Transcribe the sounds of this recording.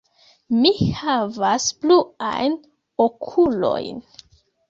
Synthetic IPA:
mihavasplua̰jn | okʰulo̞̰jn

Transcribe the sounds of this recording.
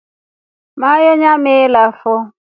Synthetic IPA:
majɔɲamɪlafɔ

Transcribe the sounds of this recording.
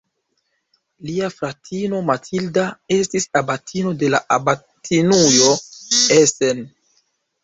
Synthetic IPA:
liafɾatʰino̞matʰildae̞stisabatʰino̞de̞la̰ʔaba | tʰinujo̞esen

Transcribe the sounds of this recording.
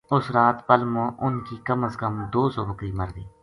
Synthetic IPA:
ʊsɾaːt̪pəlmõːʔʊnkikəməskəmd̪oːsɔːbəkɾiːmɐɾd̪ḭː

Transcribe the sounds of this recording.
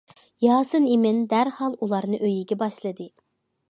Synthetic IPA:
jɑːsɨnimɪnd̪æɾhɑlˠulˠɑɾnɨʔøjiɡʲɛbɑʃlˠɨd̪ɨ

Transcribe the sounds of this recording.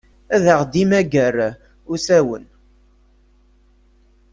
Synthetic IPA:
æðəʁd̪imæɡəɾ | ʊsæwə̰n

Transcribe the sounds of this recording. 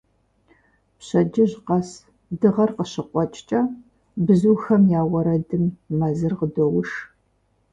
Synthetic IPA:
pɕɐd͡ʒɪʑqɐs | dɨʁɐrqəɕɪqʷʼɔt͡ʃʼt͡ʃʼɐ | bzuːxɐmjaːwɐɾɐdɨmːɐzɨrqədowʊʃ

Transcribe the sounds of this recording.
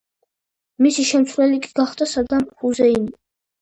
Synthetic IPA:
misiʃɛmt̪sʰvɾɛlikʼiɡaχd̪asad̪amhuzɛini

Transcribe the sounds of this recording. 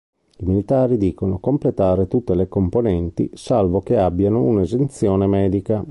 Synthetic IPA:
imilit̪aːɾid̪iːkonokomplet̪aːɾet̪ut̪ːelekomponɛnt̪ḭsalvokeabːjanounezent̪sjoːnemɛːd̪ika

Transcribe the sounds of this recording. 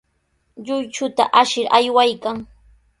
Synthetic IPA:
ʎʊjt͡ʃʊt̪a̰ʔaʃɪɾajwajkaŋ

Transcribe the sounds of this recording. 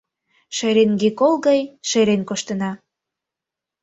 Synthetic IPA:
ʃeɾenɡekolɣɑjʃeɾenkoʃt̪ə̆nɑ

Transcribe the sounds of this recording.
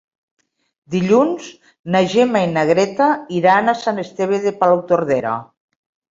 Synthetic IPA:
d̪iʎunz | naʒemainaɣɾet̪aiɾanasanest̪eβeðepalowt̪oɾðeɾa̰

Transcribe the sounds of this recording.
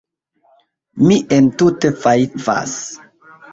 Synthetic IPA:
miʔentute̞faifa̰s

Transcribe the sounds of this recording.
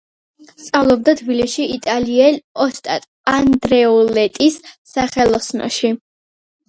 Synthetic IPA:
st̪sʼavlˠɔb̚d̪at̪ʰbiliʃiit̪ʼaliɛlɔst̪ʼat̪ʼ | and̪ɾɛɔlɛt̪ʼisː | aχɛlˠɔsnɔ̰ʃi

